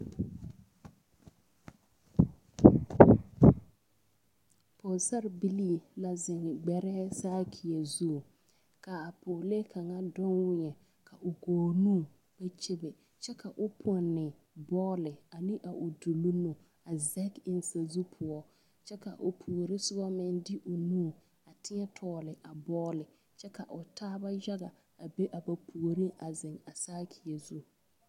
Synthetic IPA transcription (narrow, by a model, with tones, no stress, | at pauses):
pʰo˨sa˦ɾbi˦li˦la˦zɪ˨ŋ˨ɡ͡bɛ˨ɾɛː˦saː˦kʰi˨ɛ˨zu˦˨ | ka˨a˨pʊ˨le˦kʰa˨ŋa˦dʊ˦nwɪ˦ɲɛ˨ | kʰa˨ʔʊ˨ɡoː˨nũː˦˨ | b̥ɛ˦t͡ʃe˦bɪ˨ | t͡ʃɛ˦ka˨ʔʊ˦pʰʊ˦˨nːɪ˨ | bɔː˦lɪ˨a˨nɪ̃˦ʔa˨ʔʊ˨du˨lu˦mʊ˨ | a˨zɛ˦kɪ˦n˦sa˨zu˦pʰʊ˨ɔ˦ | t͡ʃɛ˦ka̰˨ʔʊ˨pʰu˨o˨ɾɪ˦sʊ˦bɔ˦mɪ˦ndɪ˦ʔʊ˨nũː˦˨ | a˨tɪ˦ɲɛ˦tʰɔː˦lɪ˨ʔa˨bɔː˦lɪ˨ | t͡ʃɛ˦ka˨ʔʊ˨tʰaː˦ba˦ja˦ɣa˨ | a˨be˦ʔa˨ba˨pʰu˨ɾi˦ʔa˨zɪ˨ŋa˨saː˦kʰɪ˨ɛ˨zu˦